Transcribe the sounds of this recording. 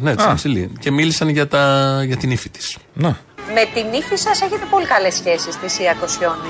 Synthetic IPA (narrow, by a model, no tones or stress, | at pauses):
nesɐsilḭce̞milisɐnʝɐt̪ɐʝɐt̪inifit̪i̥sne | me̞t̪inifisɐseçe̞t̪e̞po̞likɐle̞sçe̞sist̪isiɐkosçon